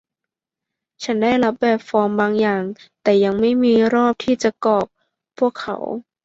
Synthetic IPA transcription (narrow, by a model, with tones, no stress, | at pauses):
t͡ɕʰa˦˥nda˥˩jla˦˥p̚bɛː˨˩p̚fɔː˧mbaː˧ŋjaː˨˩ŋt̪ɛː˨˩ja˧ŋma˥˩jmiː˧ɾɔː˥˩p̚t̪ʰiː˥˩t͡ɕa˨˩kɔː˨˩p̚ | pʰːu˥˩əkʰːa̰˧˩˦w